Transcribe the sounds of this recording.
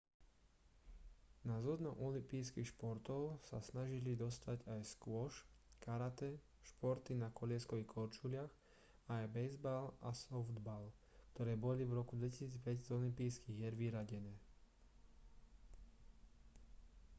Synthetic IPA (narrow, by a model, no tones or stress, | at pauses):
nazud̪nɔʔɔlimpiːskixʃpɔɾt̪ɔʊsa̰snaʒilid̪ɔst̪aɟajskʊɔʃkaɾat̪ɛ | ʃpɔɾt̪inakɔʎɪɛskɔʋikʰɔɾt͡ʃulɪax | aːjbɛjzbalʔasɔfd̪bal | kt̪ɔɾɛːbɔlivɾɔkud̪ʋɛci̥siːd͡zpɛczɔlimpiːskiɣjɛɾʋiɾaɟɛnɛː